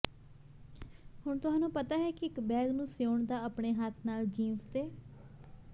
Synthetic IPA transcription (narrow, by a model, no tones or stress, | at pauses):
hʊɳt̪ʊɦãːnũːpət̪aːɦɛːkiɪkbɛːɡnũːsjoːɳd̪aːəpɳeːɦaːt̪ʰnaːld͡ʒiːnst̪eː